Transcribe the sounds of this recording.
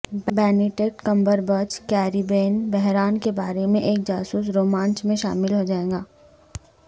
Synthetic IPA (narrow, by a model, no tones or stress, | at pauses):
bɛːnɪʈek̚ʈkɐ̃mbəɾbət͡ʃkɛːɾibeːnbɛɦɾaːnkebaːɾemẽʔeːk̚d͡ʒaːsuːs̬ɾoːmãːnt͡ʃmẽʃa̰ːmɪlɦod͡ʒaːeːɡaː